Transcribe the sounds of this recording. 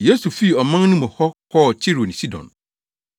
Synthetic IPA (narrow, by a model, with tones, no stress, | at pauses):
je˨˦su˨fi˦˨ɔ˨mã˦ŋ˦nũ˦mɔ̃˨hɔ˦kʰɔ˦˨t͡ɕʰi˦ɾo˨nĩ˨si˦dɔ̰̃˨n